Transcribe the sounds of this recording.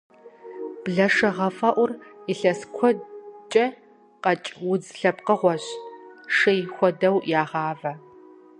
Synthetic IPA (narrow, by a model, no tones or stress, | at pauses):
b̥ɮɐʂɐʁɐfʼɐʔʷʊriɬɐskʷʰɔt͡ʃʼɐ | qɐt͡ʃʼwʊd͡zɬɐpqəʁʷɔɕʂɐjxʷɔdɐwjaːʁɑːvɐ